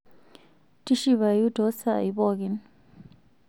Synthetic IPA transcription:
tʼi˦ʃi˨βa˨ju˦dɔ˦sa̰˨i˨bɔ˦kɛn

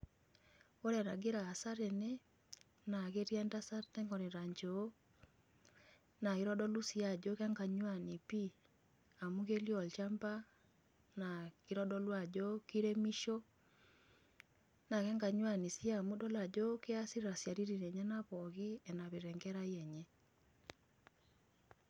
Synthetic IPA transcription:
o˦ɾɛ˨na˨ɡe˦ɾaː˨sa˦ɾe˨ne˦ | na˨ɣe˦ɾja˦nda˦sa˦ɾtɛ˦ŋɡɔ˨ɾe˨ɾa˨ɲd͡ʒoː˦ | na˨ɣiɾɔdɔ˦lu˦sia˨d͡ʒo˦kɛ˦ŋɡa˨ɲwa˦ni˨pi˦ | a˨mu˦ɣe˦ljɔ˨lt͡ʃa˦mba˦ | na˨ki˦ɾɔ˦dɔ˦lwa˨d͡ʒo˦ki˦ɾe˦mi˦ʃo˦ | na˨kɛ˦ŋɡa˨ɲwa˨ni˨sja˦mu˦dɔ˦la˨d͡ʒo˦ke˦a˦si˦ɾɾa˨sja˨ɾi˦ɾi˨nɛ˨ɲa˦na˦βɔ˨ɣe˦ɛ˨na˨βe˨ɾɛ˨ŋɡɛ˦ɾa˦iɛ˨ɲɛ˦

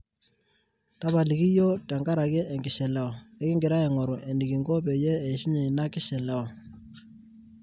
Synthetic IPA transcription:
ta˦βa˨li˨ki˦jɔ˦ta˨ŋɡa˦ɾa˨kɛ˦ʔɛ˨ŋɡɪ˨ʃɛ˨la˦ɔ˨ɛ˦kɪ˦ŋɡɪ˨ɾa˦ɛ˨ŋɔ˨ɾɔ˨ʔɛ˨ndi˨ɡi˨ŋɡɔ˦pɛ˨jɛː˦˨ʃi˦ni˨na˦kɪ˦ʃɛ˨la˦ɔ˨

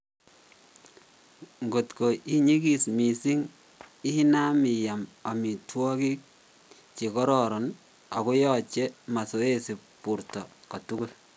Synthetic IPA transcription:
ŋɡo˨tko˨i˦ɲi˦ki˨smi˨si˦ŋ | ɪ˦hi˦na˦mi˨ja˨ma˨mi˨twɔ˦ki˦k̚ | t͡ʃi˨kɔ˦ɾɔ˨ɾɔ˨n | a˨ko˦jɔ˨t͡ʃe˦ma˨so˦e˦si˨pu˨ɾtɔ˨ka˨tu˦ku˦l

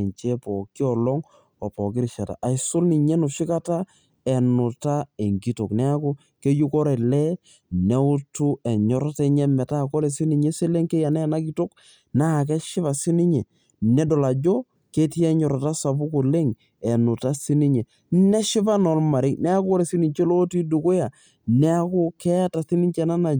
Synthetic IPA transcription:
ɲt͡ʃɛ˦pɔ˨kːi˦ɔ˨lɔ˦ŋ | ɔ˨pɔ˨kɪ˦ɾɪ˨ʃa˨ta̰˨ʔa˨jsʊ˦lni˨ɲɛ˦nu˨ʃɪ˦ka˦ta˦ | ɛ˨nʊ˨ta˦e˨ŋɡi˦to˨knɛ˦a˦ko˦ | ke˦ju˦kɔ˦ɾe˨lɛ˦ | nɛ˦u˦tu˦ɛ˨ɲɔ˨ɾɔ˦te˦ɲɛ˦mɛ˨ta˦˨kɔ˦le˨si˦ni˨ɲɛ˦se˦le˦ŋke˦ja˨nɛ˦˨na˦ki˦to˦k | na˦˨k̬ɛ˦ʃɪ˦βa˨si˦ni˦ɲɛ˨ | nɛ˦dɔ˨la˨d͡ʒo˦ | ke˦ti˦ɛ˦ɲɔ˨ɾɔ˨ta˦sa˨bu˦ko˨le˦ŋ | ɛ˨nʊ˨ta˦si˦ni˦ɲɛ˨ | nɛ˦ʃɪ˦pa˦nɔ˨lma˨ɾɪ˦nɛ˦a˦kɔ˦ɾe˨si˦ni˨ɲt͡ʃe˦lo˦ti˦du˨ko˦ja˨ | nɛ˦a˦ko˦kɛ˦a˦ta˨si˦ni˦ɲt͡ʃɛ˨na˦na˨

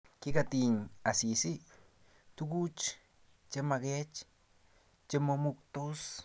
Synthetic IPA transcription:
ki˦kat̪i˧ɲa˨si˨si˦ | t̪u˦ku˦t͡ʃ | t͡ʃe˧ma˧ɡe˦t͡ʃ | t͡ʃe˧mo˧mu˧kt̪o˦s

